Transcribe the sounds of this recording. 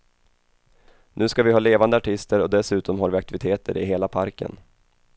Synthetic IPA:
nʔʉ̟ːskavɪɦɑːleːvand̪əaʈʰɪst̪əɾɔd̪ɛsʉ̟ːt̪ɔmɦaɾvɪak̚t̪ɪvɪt̪ʰeːt̪ʰə̰ɾɪ̰ɦeːlapʰaɾkə̰n

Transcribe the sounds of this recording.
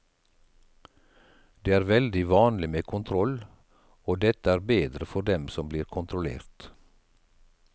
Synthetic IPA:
d̪eːæːɾʋɛld̪ɪʋɑːnlɪmeːkʰʊnt̪ʰɾɔl | oːd̪ɛt̪əæːɾbeːd̪ɾəfɔɾd̪ɛmsɔmbliːɾkʰʊnt̪ʰɾʊlḛːɾt̪

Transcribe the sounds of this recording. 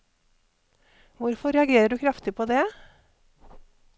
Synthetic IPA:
ʋʊɾfɔɾɛɑɡeːɾəɖʉːkʰɾɑft̪ɪpʰoːd̪ɛː

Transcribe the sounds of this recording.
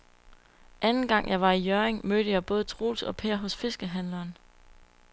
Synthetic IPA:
ʔænn̩ɡ̥ɑ̈ŋ̰jɑ̈ɪʋɑ̈ijøɐeŋmøːɾ̥əjɑ̈ɪb̥ɔ̽ːð̞̩ˠt͡sʰʁo̝̰ːlsɒ̽pʰeɐ̰ɦɔ̽sfe̝sɡ̥əɦænlɐːn

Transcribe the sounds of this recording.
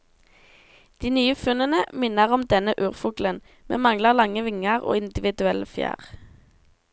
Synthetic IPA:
d̪̥iːnyːəfʉnənəmɪnəʁɔmd̪ɛnəʔʉːʁfʊɡlən | mḛːmɑŋləʁlɑŋəʋɪŋəʁo̰ːɪnd̪ɪʋɪd̪ʉɛləfjæ̰ːʁ

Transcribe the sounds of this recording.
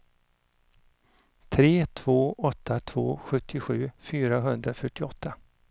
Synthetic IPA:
t̪ʰɾeːt̪ʰv̥oːɔt̪ʰːat̪ʰv̥o̰ːɧɵt̪ʰːɪɧʉ̟ːfyːɾaɦɵnd̪ɾafœʈːɪɔt̪ʰːa

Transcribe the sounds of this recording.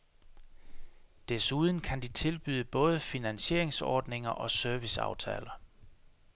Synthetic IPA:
d̥esuːð̞ˠn̩kʰænd̥it͡sʰe̝lb̥y̰ːðˠəb̥ɔ̽ːð̞ˠəfinænɕe̝̰ɐeŋsɒ̰ːd̥ne̝ŋɐʔɒ̽søɐʋisɑ̈ʊt͡sʰɛ̰ːlɐ

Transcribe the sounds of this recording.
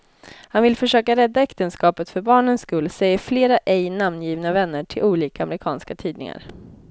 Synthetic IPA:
hanvɪlfœʂøːkaɾɛd̪ːaɛkt̪ənskɑːpət̪fœɾbɑːɳənskɵlːsɛjːəɾfleːɾaʔɛjnamnjiːvnavɛnːəʈʰɪlʔuːliːkaamɾɪkʰɑ̰ːnskat̪ʰiːd̪nɪ̰ŋa̰ɾ

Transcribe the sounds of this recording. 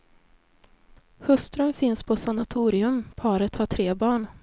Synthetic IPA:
hɵst̪ɾənfɪnspʰɔsanat̪ʰuːɾɪɵmpʰɑːɾət̪haʈʰɾeːbɑːɳ

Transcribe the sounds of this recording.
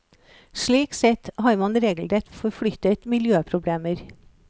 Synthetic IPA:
ʃɭiːksɛt̪hɑːɾmɑnɾeːɡl̩ɾɛt̪fɔɾfɽʏt̪ət̪mɪljøːpʰɾʊbleːməɾ

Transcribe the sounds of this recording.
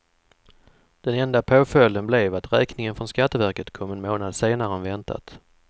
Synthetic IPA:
d̪̥ɛnɛnd̪apʰoːfœlːənblevat̪ɾɛːknɪŋənfɾɔnskat̪ːəvæɾkət̪kʰɔmːɛnmoːnad̪seːnaɾəənvɛnt̪ʰa̰t̪

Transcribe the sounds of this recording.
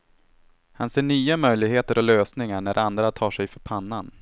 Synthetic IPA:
hanseːɳyːamœjlɪɡheːt̪əɾɔløːsnɪŋaɳæɾʔand̪ɾat̪ʰɑːʂɛjfœɾpʰanːan

